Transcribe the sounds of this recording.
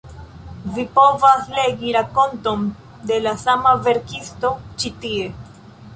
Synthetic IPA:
vipo̞vasle̞ɡiɾako̞nto̞n | de̞lasamave̞ɾkisto̞t͡ʃitie̞

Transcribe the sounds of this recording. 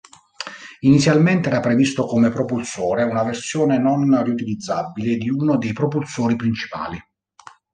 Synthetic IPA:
init̪sːjalment̪eɛːɾapɾevist̪okomepɾopulsoːɾeunaversjɔːnenonriut̪ilid̪zːabiled̪iunod̪ejpɾopulsoːɾipɾint͡ʃi̥pa̰ːli

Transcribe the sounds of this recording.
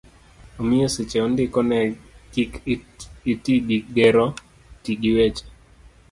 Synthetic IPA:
omɪeset͡ʃɛondɪkɔnɛkik | itiɡiɡeɾɔ | tiɡiwet͡ʃe̥

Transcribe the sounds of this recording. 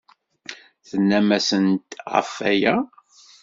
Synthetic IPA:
θənːæmæsənt̪ʁə̰fːæjæ

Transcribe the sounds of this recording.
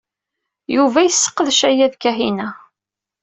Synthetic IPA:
juvæjəsːə̥qːəðʃæjæðkæɦinæ

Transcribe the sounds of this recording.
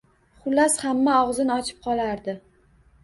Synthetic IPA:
χʊlːashamːaɒʁzɪnɒt͡ʃʰɪ̥p̚qʰɒlˠaɾd̪ɪ

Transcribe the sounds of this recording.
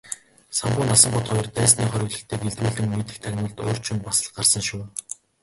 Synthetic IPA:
samɢʊːnasə̆mɢʊt̪χɔjɞ̆rt̪æːsniːχœɾʲɪ̆ɣɮə̆kt̪ʰeːkeɮt̪uːɮɘ̆ŋmet̪ɘ̆k̚t̪ʰaɣʲnʊːɮt̪oːr̥t͡ɕʰɪ̆npasə̆ɮɢarsə̆ŋʃʊː

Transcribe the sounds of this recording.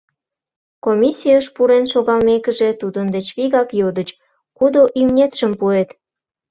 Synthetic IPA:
komʲisʲijəʃpuɾenʃoɣɑlmekəʒe̽t̪ud̪ənd̪et͡ɕβiɣɑkjod̪ət͡ɕ | kud̪oʔimnʲet̪ʃəmpuet̪

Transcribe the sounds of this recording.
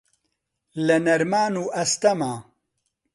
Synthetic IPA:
lɐnɐɾmaːnuːʔɐst̪ɐmaː

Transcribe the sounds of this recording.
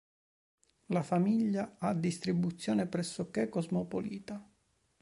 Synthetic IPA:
lafamiʎːaad̪ist̪ɾibut̪sːjoːnepɾɛsːokekɔzmopoliːt̪a

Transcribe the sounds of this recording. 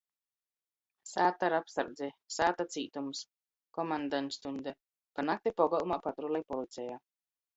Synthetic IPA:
saːt̪aɾapsaɾd̪zɛsaːt̪at̪siːt̪ums | kɔmand̪ant̪st̪und̪ɛ | kanak̚t̪ipɔɡalˠumaːpat̪ɾulˠɛjpɔlˠit̪sʲɛjaː

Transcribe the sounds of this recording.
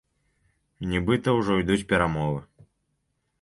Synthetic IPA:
nʲibɨt̪ɐwʐɔjd̪ut͡sʲpʲɛɾamɔvɨ

